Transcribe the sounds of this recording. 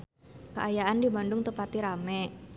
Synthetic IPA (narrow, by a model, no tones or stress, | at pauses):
kə̰ʔajaʔandimandʊŋt̪əpat̪iɾamɛ